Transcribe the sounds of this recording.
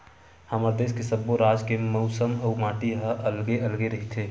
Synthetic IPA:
həməɾd̪eːskesəbːoɾad͡ʒkeməʊsəməumaːʈiɦəʔəlɡeʔəlɡeɾəɦit̪ʰeː

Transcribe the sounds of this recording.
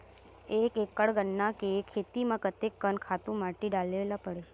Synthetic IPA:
ekekəɭɡənːakekʰet̪imãkət̪ekːənkʰat̪ũmaʈeɖalelapəɽe

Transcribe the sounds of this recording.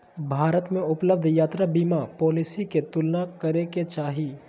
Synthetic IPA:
bʱaːɾət̪mẽʊpləb̚d̪ʱjaːt̪ɾabiːmapoːlisiket̪ʊlnakɐɾeket͡ʃaːɦi

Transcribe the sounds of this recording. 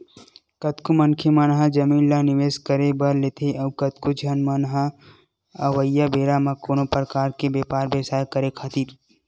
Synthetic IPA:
kɐt̪kumɐnkʰemɐnɦad͡ʒɐmiːnlanɪʋeːskəɾebɐɾleːt̪ʰeɐʋkɐt̪kud͡ʒʱɐnmənɦa | ɐʋəjːabeːɾamɐ̃koːnopɾəkaːɾkebeːpaːɾbeːsaːjkəɾekʰat̪iːɾ

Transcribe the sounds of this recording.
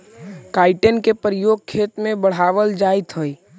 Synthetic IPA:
kaːɪʈənkepəɾijoːɡ̚kʰːeːt̪mẽbəɽ̤aːʋəld͡ʒaːjt̪ɦəi

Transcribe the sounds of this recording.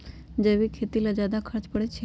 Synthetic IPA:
d͡ʒeʋikʰet̪ilad͡ʒad̪akʰəɾt͡ʃpəɽet͡ʃʰe

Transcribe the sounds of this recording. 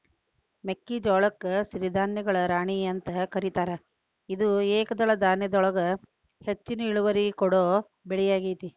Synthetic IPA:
mekːid͡ʒɔːɭɐkːɐsiɾid̪ʱaːnjɐɡɐɭɐɾaːɳiɐnt̪ɐkɐɾit̪aːɾe | id̪ueːkɐd̪ɐɭɐd̪aːnjɐd̪ɔɭɐɡɐ | het͡ʃːinɐiɭuʋɐɾikɔɽoː | beɭijaːɡijt̪i

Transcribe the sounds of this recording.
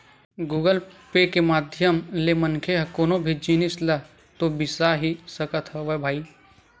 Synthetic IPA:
ɡuːɡəlpekemaːd̪ʱjəmlemənkʰeɦɐkoːnobʱid͡ʒiːnɪslɐ | t̪obɪsaɦisəkət̪ɦəʋɐbʱaːiː

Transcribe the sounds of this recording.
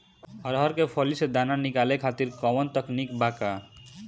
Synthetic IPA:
ɦʌɾɦʌɾkepʰɔlised̪ananikalekʰat̪iɾkɔwənt̪əknikbaka

